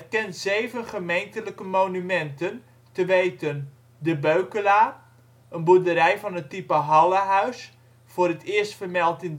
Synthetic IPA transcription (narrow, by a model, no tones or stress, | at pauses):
kɛntzejvənχəmejntələkəmoːnymɛntən | təʋejtən | dəbøɥkəlaː | ənbudəɾɛjvɑnətːipəɦɑlˠəɦœɥs | fʊːrətʰɪəstfərmɛlˠtɪn